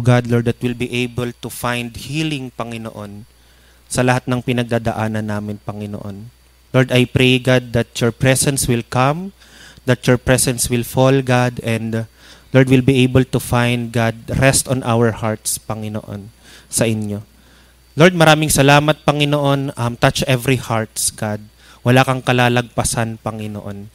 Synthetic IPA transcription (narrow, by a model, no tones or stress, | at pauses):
ɡad̪loɹd̪ɐt̪̚wɪlbiʔejbɛlt̪ʊfajnd̪hiːlɪŋpɐŋɪno̰ʔo̞n | sɐlɐhat̪̚nɐŋpɪnɐɡ̚d̪aːd̪ɐʔaːnɐnːaːmɪnpɐŋɪno̰ʔo̞̰n | loɹd̪ɐjpɾejɡad̪̚ːɐt̪̚jɔɹpɹɛsɛnswɪlkɐm | d̪ɐt̪jɔɹpɹɛsɛnswɪlfolɡad̪ɛnd̪ | loɹd̪wɪlbiʔejbɛlt̪ʊfãjnd̪̚ɡad̪̚ɾɛst̪ɔnʔa̰wɛɹhaɹt̪spɐŋɪno̰ʔo̰n | sɐʔɪnjo̞ | loɹd̪̚mɐɾaːmɪŋsɐlaːmɐt̪̚pɐŋɪnoʔo̞nʔɐmt̪ɐt͡ʃʔɛvɾihaɹt̪sɡad̪̚ | wɐlaːkɐŋkɐlaːlɐɡ̚pɐsanpɐŋɪno̰ʔo̞n